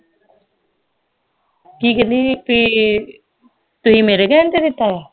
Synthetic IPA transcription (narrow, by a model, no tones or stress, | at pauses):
kiːkəliːpiː | t̪ʊsĩːmeːɾekɛːnt̪ed̪ɪt̪ːaːaː